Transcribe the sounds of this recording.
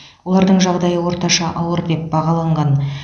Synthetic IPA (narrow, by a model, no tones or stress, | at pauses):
wo̞lˠɑɾd̪əɴʒɑʁd̪ɑjəwo̞ɾt̪ɑʃɑʔɑwəɾd̪e̞p̚bɑʁɑlˠɑɴʁɑn